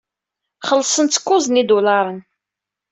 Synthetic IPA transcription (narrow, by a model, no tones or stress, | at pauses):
χəlːsˤənt̪ːkːʊzˤnid̪ulɑɾˤən